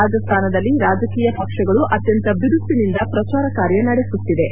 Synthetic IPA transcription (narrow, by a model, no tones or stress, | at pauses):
aːd͡ʒɐst̪ʰaːnɐd̪ɐlːiɾaːd͡ʒɐkiːjɐpɐkʂɐɡɐɭuʔɐt̪jɐnt̪ɐbiɾust̪ːinind̪ɐpɾɐt͡ʃaːɾɐkaːɾjɐnɐɽesut̪ːid̪e̞